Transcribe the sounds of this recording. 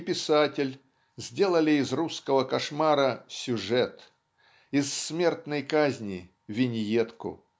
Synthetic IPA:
pʲɪsatʲɪlʲ | zʲdʲe̞lˠəlʲɪːzruskəvəkɐʂmaɾəsʲʊʐɛt̪ | ɪsːmʲe̞rt̪nəjkazʲnʲɪ | vʲɪnʲɪjet̪kʊ̰

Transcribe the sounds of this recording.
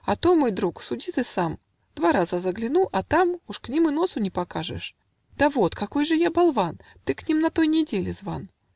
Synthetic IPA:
ɐt̪o̞mo̞jd̪ɾuksʊdʲit̪ɨsam | d̪̥vaɾazəzəɡlʲɪnuʔɐt̪amuʂknʲimɨno̞sʊnʲɪpɐkaʐɨ̰ʂ | d̪̥ɐvot̪kɐko̞jʐɨjabɐlˠvant̪ɨknʲimnɐt̪o̞jnʲɪdʲelʲɪzva̰n

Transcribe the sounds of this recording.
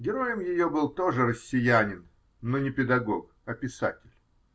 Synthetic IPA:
ɡʲɪɾo̞jəmjɪjo̞bɨlˠt̪o̞ʐɨrəsʲːɪjænʲɪnː | onʲɪpʲɪd̪ɐɡo̞k | ɐpʲɪsa̰tʲɪlʲ

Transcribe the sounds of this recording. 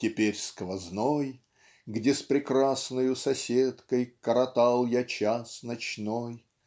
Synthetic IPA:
tʲɪpʲeɾʲskvɐznoj | ɡdʲespɾʲɪkrasnəjʊsɐsʲet̪kəjkəɾɐt̪alˠjat͡ɕasnɐt͡ɕnoj

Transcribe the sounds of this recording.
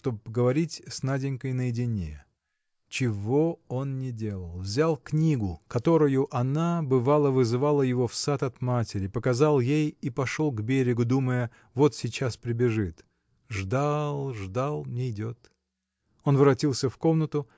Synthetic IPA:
ʂt̪o̞bɡəvɐɾʲitʲsnadʲɪŋʲkəjnəjɪdʲɪnʲḛ | t͡ɕɪvo̞o̞nnʲɪdʲe̞lˠəlˠvzʲalˠknʲiɡʊkɐt̪o̞ɾʊjʊʔɐnabɨvalˠəvɨzɨvalˠəjɪvo̞fsat̪ɐt̪matʲɪɾʲɪpəkɐzalˠjejipɐʂolˠɡbʲeɾʲɪɡʊd̪uməjə | vo̞t̪sʲɪt͡ɕaspɾʲɪbʲɪʐɨt̪ | ʐd̪alˠʐd̪alˠnʲɪjdʲot̪ | o̞nvɾɐtʲilˠsʲəfko̞mnət̪ʊ

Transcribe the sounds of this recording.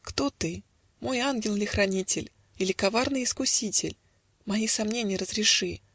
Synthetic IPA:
kt̪ot̪ɨ | mo̞janɡʲɪlˠɪlʲɪxɾɐnʲitʲɪlʲ | ɪlʲɪkɐvarnɨjɪskʊsʲitʲɪ̰lʲ | mɐisɐmnʲenʲɪjəɾəzɾʲɪʂɨ

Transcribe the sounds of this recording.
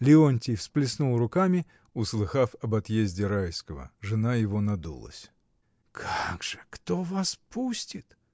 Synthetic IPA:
lʲɪonʲtʲɪjfsplʲɪsnulˠrʊkamʲɪ | ʊslˠɨxafɐbɐt̪jezʲdʲɪɾajskəvə̰ʐɨnajɪvonɐd̪ṵlˠə̰sʲ | kʰaɡʐ̥ɨkt̪ovaspusʲtʲɪt̪

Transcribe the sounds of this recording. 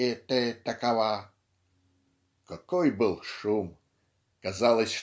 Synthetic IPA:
et̪ət̪ɐkɐva | kɐkojbɨlˠʂum | kɐzalˠəsʲʂ

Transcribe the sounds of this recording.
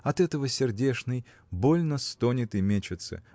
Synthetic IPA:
ɐt̪ɛt̪əvəsʲɪrdʲeʂnɨj | bolʲnəst̪onʲɪt̪ɪmʲet͡ɕɪt̪sə̰

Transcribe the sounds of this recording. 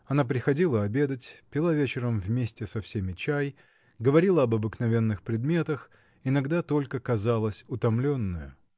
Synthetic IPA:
ɐnap̬ɾʲɪxɐdʲilˠəɐbʲe̞d̪ətʲpʲɪlˠavʲet͡ɕɪɾəmvmʲesʲtʲɪsɐfsʲemʲɪt͡ɕaj | ɡəvɐɾʲilˠəɐbɐbɨknɐvʲe̞nːɨxpɾʲɪd̪mʲe̞t̪əx | ɪnɐɡd̪at̪o̞lʲkəkɐzalˠəsʲʊt̪ɐmlʲonːʊjʊ

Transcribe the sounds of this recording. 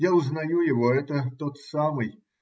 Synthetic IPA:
jaʊznajujɪvɔɛt̪ət̪ot̪samɨj

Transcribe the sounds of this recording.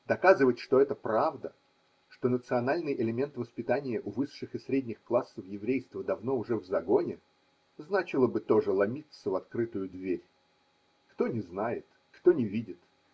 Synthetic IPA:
d̪ɐkazɨvətʲʂt̪oɛt̪əpɾavd̪ə | ʂt̪o̞nət̪sɨɐnalʲnɨjʔɪlʲɪmʲe̞nt̪vəspʲɪt̪anʲɪjəʔʊvɨʂːɨxɨsɾʲedʲnʲɪxklˠasːəfjɪvɾʲejst̪vəd̪ɐvno̞ʊʐɛvzɐɡo̞nʲɪ | znat͡ɕɪlˠəbɨt̪o̞ʐɨlˠɐmʲit̪səvɐt̪kɾɨt̪ʊjʊd̪vʲeɾʲ | kt̪o̞nʲɪznajɪt̪ | kt̪o̞nʲɪvʲidʲɪt̪

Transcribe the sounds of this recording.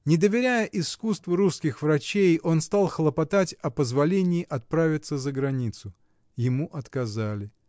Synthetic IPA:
nʲɪd̪əvʲɪɾʲæjəʔɪskust̪vəɾuskʲɪxvrɐt͡ɕejo̞nst̪alˠxəlˠəpɐt̪atʲɐpəzvɐlʲenʲɪːʔɐt̪̚pɾavʲɪt̪səzəɡɾɐnʲit̪sʊ | jɪmuʔɐt̪kɐzalʲɪ

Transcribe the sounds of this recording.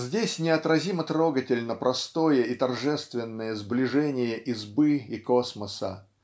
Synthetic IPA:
zʲdʲesʲnʲɪɐt̪ɾɐzʲimət̪ɾo̞ɡətʲɪlʲnəpɾʔɐst̪o̞jəit̪ɐrʐɛst̪vʲɪnːəjəzblʲɪʐɛnʲɪjəʔɪzbɨikosməsə̰

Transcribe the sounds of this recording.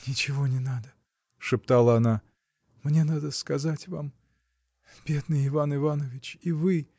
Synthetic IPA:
nʲɪt͡ɕɪvonʲɪnad̪ə | ʂɨpt̪alˠəɐna | mnʲe̞nad̪əskɐzatʲvam | bʲe̞d̪nɨjɪvanɨvanəvʲɪt͡ɕivɨ

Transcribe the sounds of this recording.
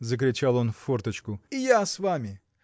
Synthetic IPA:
zəkɾʲɪt͡ɕalˠo̞nffort̪ət͡ɕkʊɪjasvamʲɪ

